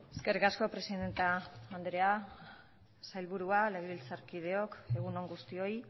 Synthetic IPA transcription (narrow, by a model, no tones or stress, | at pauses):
eske̞rikasko̞pɾe̞siðe̞nt̪aːnd̪ɾe̞a | sajlβuɾualeβiβilt͡saɾkið̞e̞o̞ke̞ɣ̞uno̞ŋɡust̪io̞j